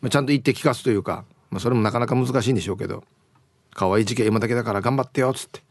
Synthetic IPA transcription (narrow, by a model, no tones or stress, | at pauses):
mat͡ɕãnt̪̬oit̪ːe̞kʲi̥kasɨ̥t̪ojɯ̟ːka̰ | maso̞ɾe̞mo̞nakanakamɯ̟zɨkaɕ̬iːnd̪e̞ɕo̞ːke̞̰d̪o̰ | kʰaβaiʑikeimat̪ake̞d̪akaɾaɡãmbat̪ːejo̞t͡sɨ̥t̪ːe̥